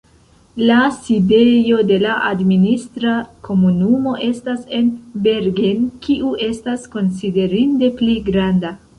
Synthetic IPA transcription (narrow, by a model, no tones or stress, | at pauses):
lasidejo̞d̪e̞laʔad̪minist̪ɾako̞munumo̞ʔe̞stase̞nbeɾɡenkiʔuʔe̞stasko̞nsid̪e̞ɾind̪e̞pliɡɾand̪a